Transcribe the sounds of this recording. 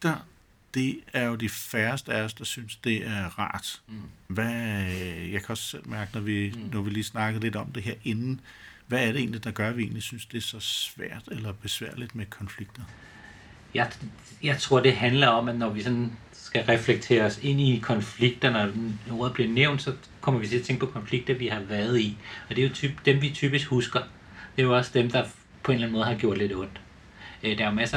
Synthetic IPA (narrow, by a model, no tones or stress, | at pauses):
d̥ɐ | d̥e̝æɐjo̝d̥ifæɐsd̥əæɒsd̥ɑ̈synsd̥e̝æɐʁɑ̰̈ːd̥ʋæ | jɑ̈kʰæɒ̽sːel̰mæɐɡ̥ənɒʋinɒʋiliːsnɑ̈ɡ̥əle̝d̥ɒ̽md̥e̝ɦe̝ɐ̰e̝nn̩ʋæːɐɾee̝ːnlid̥ɑ̈ɡ̥ɶɐʋie̝̰ːnlisynsd̥e̝sɒ̽sʋæ̰ɐ̰d̥elɐb̥e̝sʋæ̰ɐ̰lid̥mekʰɒ̽nfliɡ̥̚d̥ɐ | jɑ̈ɪ | jɑ̈ɪt͡sʰʁo̝ɐ̰d̥e̝ɦænlɐɒ̽m̰æd̥nɒʋisɒ̽n | sɡ̥æʁɛfleɡ̥̚t͡sʰe̝̰ːɐɒse̝n̰ikʰɒ̽nfliɡ̥̚d̥ɐnɒʁoːð̩ˠb̥liɐneʊ̰nd̥sɒ̽ | kʰɒ̽m̰ɐʋit͡sʰe̝ɐt͡sʰeŋɡ̥pʰɒ̽kʰɒ̽nfliɡ̥̚d̥ɐʋihɑ̈ʋæɐð̞̩ˠiɒ̽d̥e̝jo̝t͡sʰybd̥emʋit͡sʰy̰ːb̥isɡ̥husɡ̥ɐ | d̥e̝jo̝ɒ̽sd̥emd̥ɑ̈ | pʰɒ̽e̝nlæn̩mɔ̽ðˠhɑ̈ɡ̥jo̝ɐ̰d̥le̝ɾ̥ɔ̽n̰d̥ | d̥ɑmæsɐ